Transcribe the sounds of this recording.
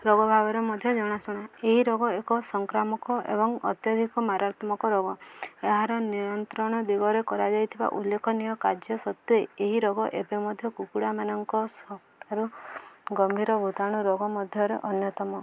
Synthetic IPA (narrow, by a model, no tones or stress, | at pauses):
ɾɔɡɔbʱabɔɾemɔd̪ʱjɔd͡ʒɔɽ̃asɔɽ̃aeɦiɾɔɡɔekɔsɔŋkɾamɔkɔḛbɔŋɔ̰t̪jɔd̪ʱikɔmaɾat̪ɔmɔkɔɾɔɡɔeɦaɾɔnijɔnt̪ɾɔɽ̃ɔd̪iɡɔɾekɔɾad͡ʒajt̪ʰiba̰ʔulːekʰɔnijɔkad͡ʒjɔsɔt̪ːueeɦiɾɔɡɔʔebemɔd̪ʱjɔkukuɽamanɔŋkɔsɔkʈaɾuɡɔmbʱiɾɔbʱut̪aɽ̃uɾɔɡɔmɔd̪ʱjɔɾḛʔɔnjɔt̪ɔmɔ